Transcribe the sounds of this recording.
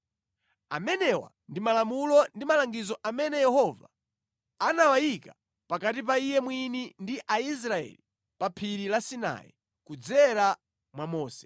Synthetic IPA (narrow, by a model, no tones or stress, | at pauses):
amɛnɛwa̰ | ndimalamulɔndimalaŋɡizɔʔamɛnɛjɛhɔva̰ | anawajika | pakat̬ip̬aijɛmwinindiʔais̬ɾaɛ̰li | papʰiɾilasina̰jḭ | kud͡zɛɾa | mwamɔːsɛ̥